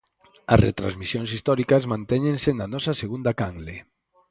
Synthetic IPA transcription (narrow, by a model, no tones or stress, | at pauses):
a̰rḛt̪ɾa̰nzmisionsist̪ɔɾikazmant̪eɲensenanɔsaseɣund̪akaŋɡle